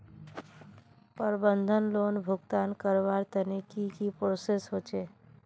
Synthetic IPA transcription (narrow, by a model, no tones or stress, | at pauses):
pəɾbənd̪ʱənlonbʱʊɡt̪aːnkəɾbaɾt̪ənikikipɾoːsesɦot͡ʃe